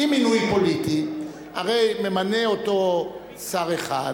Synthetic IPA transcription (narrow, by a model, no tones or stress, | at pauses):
iminujpo̞liti | aʁe̞jme̞mane̞o̞to̞ | saʁe̞χa̰d